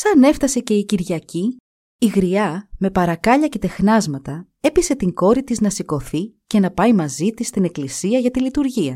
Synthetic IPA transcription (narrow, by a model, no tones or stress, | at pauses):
sɐne̞ft̪ɐse̞ce̞iciɾʝɐciː | ɣɾiɐme̞pɐɾɐkɐʎɐce̞t̪e̞xnɐzmɐt̪ɐ | e̞pise̞t̪iŋɡo̞ɾit̪iznɐsiko̞θice̞nɐpɐimɐzit̪ist̪ine̞klisiɐʝɐt̪ilit̪uɾʝiɐ̰